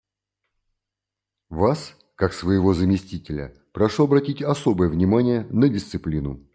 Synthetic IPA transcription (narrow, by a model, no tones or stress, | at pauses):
vas | kaksvəjɪvo̞zəmʲɪsʲtʲitʲɪlʲə̰ | pɾɐʂoɐbɾɐtʲitʲɐso̞bəjəvnʲɪmanʲɪjənədʲɪst̪sɨplʲinʊ